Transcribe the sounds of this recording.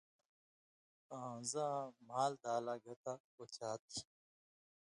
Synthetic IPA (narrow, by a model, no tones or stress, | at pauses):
ãzãmaːld̪aːlaːɡʱɐt̪a | ot͡ɕaːt̪ʰi